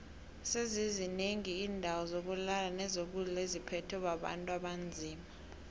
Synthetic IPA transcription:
sezizineŋiːndʱawɔzok̬ulalanɛzok̬ulɛlezipʰɛtʰɔɓaɓa̰ntʼuwaɓand͡zʱiːma

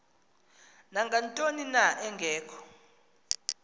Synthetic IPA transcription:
naŋɡʱantʼoninaʔɛŋɡʱɛːkʰɔ̥

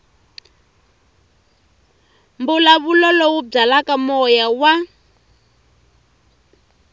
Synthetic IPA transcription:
mbulaβulɔlɔwub͡ʐalakamɔjawa

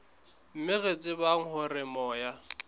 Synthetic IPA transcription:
m̩mɪɣet͡sʼɪbaŋ̩hʊrɪmɔːja

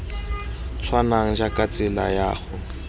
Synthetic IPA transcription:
t͡sʰwanaŋ̩d͡ʒakʼat͡sɪla̰jaːɣʊ

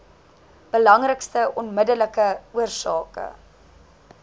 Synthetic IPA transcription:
b̥əlɐŋrəkstəʔɔnmədələkəuərsɑːkə̰

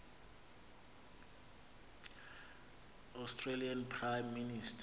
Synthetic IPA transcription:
astʰrelianpʰrajmːinistʰ

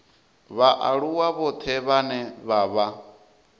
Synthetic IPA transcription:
βaʔaɺuwaβɔt̪ʰɛβanɛβaβa

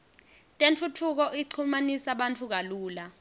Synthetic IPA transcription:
tʼentʰutʰuk̬ɔʔiǀʰumanisaɓantʰuk̬aluːla

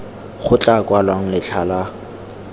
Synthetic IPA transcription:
χʊt͡ɬʼakʼwalwaŋ̩lɪt͡ɬʰala

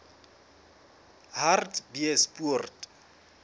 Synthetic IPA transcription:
hartbiɛspurt

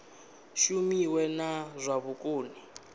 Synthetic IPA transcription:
ʃumiwɛnazʷaβʊkʼuːni

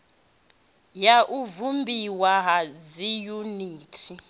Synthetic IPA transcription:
jaʔuvumbʱiwaɦazijuniːtʰi

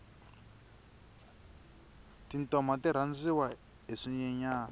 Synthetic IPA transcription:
tintɔmatiɾ̤and͡ziwa | eʂiɲɛɲaː

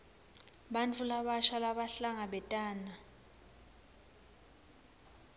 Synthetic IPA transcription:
ɓant͡fʰulaɓaʃalaɓaɬaŋaɓɛtʼaːna

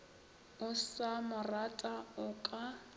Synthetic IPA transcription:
ʊsamʊratʼaʊkʼa

